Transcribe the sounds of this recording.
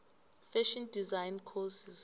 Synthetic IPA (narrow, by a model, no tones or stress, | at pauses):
fɛʃindizajnkʰɔsis